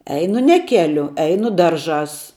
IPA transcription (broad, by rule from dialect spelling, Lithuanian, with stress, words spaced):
ˈɛɪnʊ nʲɛ ˈkʲæːlʲʊ ˈɛɪnʊ ˈdɐrˌʒɑːs